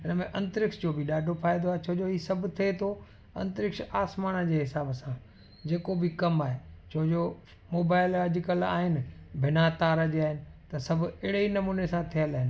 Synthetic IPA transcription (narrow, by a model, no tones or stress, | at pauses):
ɪnəmẽʔɐ̃nt̪əɾɪkʃd͡ʑoːbʱɪɗaːɖʱofaːɪd̪oaːɦet͡ɕʰɐɦd͡ʑoɦiːsɐbʱʊt̪ʰiet̪ʰo | ɐ̰̃nt̪ɾɪkʃaːsmaːnə̆d͡ʑeːɦɪsaːbəsã | d͡ʑeːkobʱɪkɐmaːɦet͡ɕʰoɦd͡ʑo | moːbaːɪlɐd͡ʑɪkəla̰ːɦɪnɪ̆bʱɪnat̪aːɾəd͡ʑiaːɦɪnɪ̆t̪ɐsɐbʱʊɪɪɽeinɐmuːnesãt̪ʰijəlaːɦɪnɪ